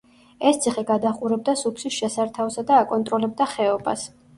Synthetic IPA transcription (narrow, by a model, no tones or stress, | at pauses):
ɛst̪sʰiχɛɡad̪aχʼuɾɛb̚d̪asupʰsisʃɛsaɾt̪ʰaɔsad̪aːkʼɔnt̪ʼɾɔlɛb̚d̪aχɛɔba̰s